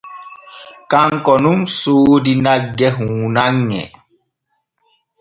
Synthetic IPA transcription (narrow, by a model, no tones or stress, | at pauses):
kaŋkɔnumsoːdinaɡɛɦuːnaŋːɛ̰